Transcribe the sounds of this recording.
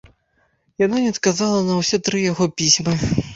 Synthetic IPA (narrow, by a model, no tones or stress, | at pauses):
jananʲɛɐt̪kazalˠɐnɐwsʲɛt̪ɾɨjaɣɔpʲisʲmɨ